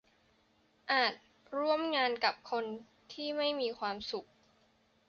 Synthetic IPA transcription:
ʔaː˨˩t̪̚ | ɾu˧˥˩əmŋaː˧nka˨˩p̚kʰo˧n | t̪ʰiː˥˩ma˥˩jmiː˧kʰwaː˧msu˨˩k̚

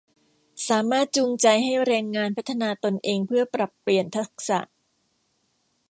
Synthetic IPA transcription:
saː˩˦maː˥˩t̪̚t͡ɕuː˧ŋt͡ɕa˧jɦa˥˩jɾɛː˧ŋːaː˧npʰa˦˥t̪ʰːa˧naː˧t̪o˧nʔeː˧ŋpʰɯ˥˩ɐpɾa˨˩pːli˨˩ənt̪ʰa˦˥k̚sa̰˨˩ʔ

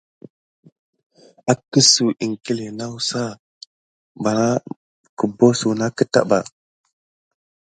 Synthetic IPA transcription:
a˨kə˦su˨ʔi˨ŋki˦le˨na˦wu˦sa˦ | ba˨ɾa˦ | kə˨bo˦su˨na˦kə˦ta̰˦ba˨

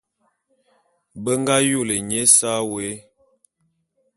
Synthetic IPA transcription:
bə˦ŋɡa˦jo˦˨le˨ɲe˦sa˦we˨˦

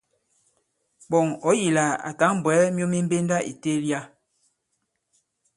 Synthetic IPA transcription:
ɓɔ˨ŋɔ˨˦ji˨la˨a̰˨ta˨˦ŋm˨bwɛ˨˦mjo˦mi˦m̩˦be˦nda˦ʔḭ˨te˦lja˦

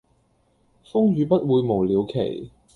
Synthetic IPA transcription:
fʊ˥ŋjyː˨˧pɐ˥t̚wuː˨˧jmo˨˩wliː˨˧wkʰḛ˨˩j

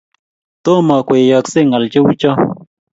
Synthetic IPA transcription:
t̪o˦mɔ˨kʷe˨jɔ˨ksɪ˦ŋa˨lt͡ʃɪ˦wt͡ʃɔ˦

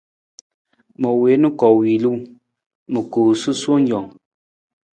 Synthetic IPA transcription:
mɔ˨we˨˦nu˦kɔ˨wi˨lu˦ | mɨ˨koː˨sɨ˦swo˦n˦d͡ʒɔ˨ŋ

